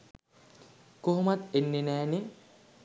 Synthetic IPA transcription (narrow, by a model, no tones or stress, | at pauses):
koɦumat̪enːenɛːne